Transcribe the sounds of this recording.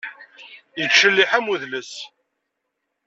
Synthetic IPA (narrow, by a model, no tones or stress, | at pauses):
jəɡʃəlːiħæmuðləs